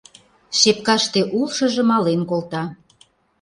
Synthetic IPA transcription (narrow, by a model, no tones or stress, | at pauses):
ʃep̚kɑʃt̪eʔulʃɤ̆ʒə̆mɑlenkolt̪ɑ